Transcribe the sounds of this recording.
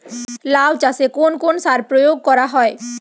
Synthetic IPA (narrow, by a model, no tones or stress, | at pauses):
lawt͡ɕasekonkonsaɾpɾojoɡ̚kɔɾaɦɔe